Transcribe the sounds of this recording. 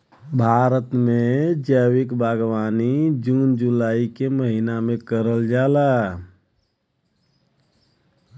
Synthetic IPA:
bʱaːɾət̪mẽd͡ʒəwɪkbʱaɡwaːnid͡ʒuːnd͡ʒulaːikeməɦinamẽkəɾəld͡ʒaːla

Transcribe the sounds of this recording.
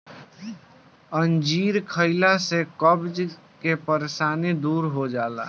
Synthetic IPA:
ənd͡ʒiːɾkʰəɪlasekəbd͡ʒ | kepəɾesaːnid̪uːɾɦod͡ʒaːla̰

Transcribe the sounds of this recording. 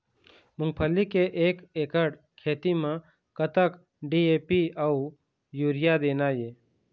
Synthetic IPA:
mʊ̃ŋɡ̚pʰəlːikeʔeːkeːkəɽ | kʰeːt̪imã | kət̪ək | ɖieːpiau | juːɾɪjad̪eːnaːje

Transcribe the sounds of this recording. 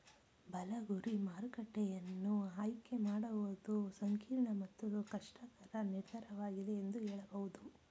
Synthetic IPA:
bɐlɐɡuɾimaːɾukɐʈːɛjɐnːuɦaːjikːe̞maːɽɐʋod̪usɐŋkiːɾɳɐmɐt̪ːuukɐʂʈɐkɐɾɐniɾd̪ʱɐɾɐʋaːɡid̪eːnd̪uɦɛːɭɐbɐʋud̪u

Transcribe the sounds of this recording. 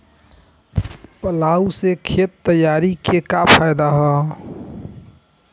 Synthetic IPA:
pəlaːusekʰet̪ːəjaːɾikekapʰaɪd̪aɦɔ

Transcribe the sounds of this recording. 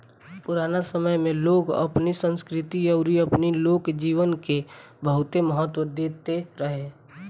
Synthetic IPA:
pʊɾaːnasəməjmẽloːɡɐ̰pnisə̃nskɾɪt̪iɔʊɾiɐpniloːkd͡ʒiːʋənke | bəɦʊt̪eməɦət̪wəd̪eːt̪eɾəɦe

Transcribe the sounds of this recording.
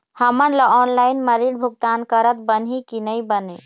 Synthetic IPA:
həmənləɔnlaɪnməɾiɽbʱuɡ̚t̪ankəɾət̪̚bənɦikinəjbəne

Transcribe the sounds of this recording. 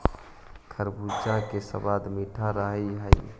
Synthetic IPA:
kʰəɾbud͡ʒakesə̰bad̪miʈʰaɾəɦiɦə

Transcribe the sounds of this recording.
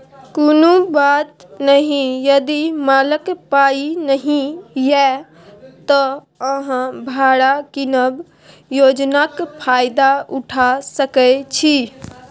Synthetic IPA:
koːnubat̪ | nəɦĩjəd̪imaːləkpainəɦĩjɛ | t̪ɔ | əɦãbʱaɽakinəb | joːd͡ʒnakpʰaːjd̪auʈʰasəkət͡ʃʰi

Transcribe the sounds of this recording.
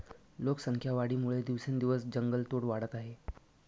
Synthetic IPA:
loksəŋkʰjaʋaɽiːmuɭed̪iʋsend̪iʋəsd͡ʑəŋɡəlt̪oɽʋaɽət̪aɦe

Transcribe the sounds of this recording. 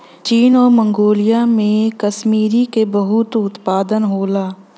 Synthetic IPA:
t͡ʃiːnɔːɾmə̃ŋɡoːlijamẽkɐʃmiːɾikebɐɦʊt̪ʊt̪paːd̪ənɦoːlaː

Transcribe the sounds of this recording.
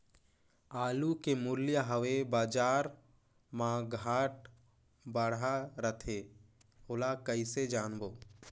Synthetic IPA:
aːlukemʊljəɦəʋebaːd͡ʒaːɾ | mãɡʱaːʈ̚ | bəɽ̤aɾət̪ʰe | ɦoːlakəised͡ʒaːnboː

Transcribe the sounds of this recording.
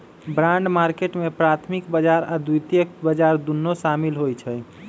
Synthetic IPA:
bɾãɳɖmaɾkeʈmepɾat̪ʰmikbəd͡ʒaɾad̪ujt̪jək̚bəd͡ʒaɾd̪unːoʃamilɦojt͡ʃʰɛj

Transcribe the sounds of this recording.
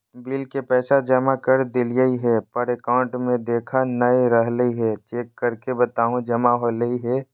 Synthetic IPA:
biːlkepɛːsad͡ʒɐmakəɾd̪ɪljəiɦɛpəɾekaːʊ̃ɳʈmẽd̪eːkʰanəiɾəɦləiɦɛt͡ʃeːkːəɾkebət̪aːɦũd͡ʒɐmaɦoːləiɦɛː

